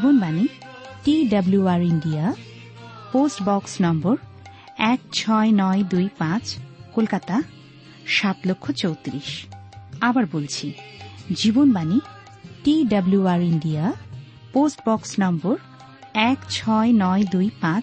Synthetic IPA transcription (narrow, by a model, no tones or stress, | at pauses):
ibonbani | ʈiɖabluaɾiɳɖia | posʈbɔksnɔmboɾ | ɛkt͡ɕʰɔenɔed̪ujpãt͡ɕkolkat̪a | ʃat̪lokʰːot͡ɕowt̪ɾiʃ | abaɾbolt͡ɕʰid͡ʑibonbani | ʈiɖabluaɾiɳɖia | posʈbɔksnɔmboɾ | ɛkt͡ɕʰɔenɔed̪ujpãt͡ɕ